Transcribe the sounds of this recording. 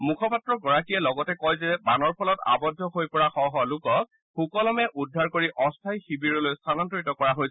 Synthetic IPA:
mukʰɔpatɹɔɡɔɹakijɛlɔɡɔtɛkɔjzɛbanɔɹpʰɔlɔta̰bɔdʱːɔɦojpɔɹaxɔɦɔlʊkɔk | xukɔlɔmɛʔudʱːaɹkoɹiʔɔstʰajxibiɹɔlojstʰanɔntɔɹitɔkɔɹaɦoj

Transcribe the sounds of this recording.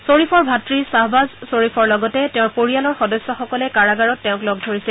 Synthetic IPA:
soɹipʰɔɹbʱatɹisaɦbazsoɹipʰɔɹlɔɡɔtɛtɛʊ̃ɹpoɹijalɔɹxɔdɔsːɔxɔkɔlɛkaɹaɡaɹɔtːɛʊ̃klɔɡ̚dʱoɹisɛl

